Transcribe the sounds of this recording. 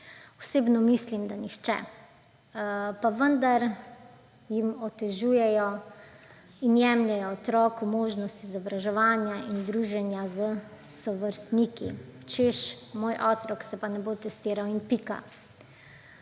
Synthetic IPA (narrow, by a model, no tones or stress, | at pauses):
ɔseːbnɔmislimd̪anixt͡ʃɛ̰ | paʋənd̪aɾ | jimɔt̪ɛʒuːjɛjɔ | injɛmlʲɛjɔːt̪ɾɔːkumoːʒnɔst̪iːzɔbɾaʒɛʋaːnjaʔind̪ɾuːʒɛnjazəsɔʋəɾst̪nikḭt͡ʃeʃmoːjʔɔːt̪ɾɔksɛpanɛbot̪ɛst̪iːɾawinpika̰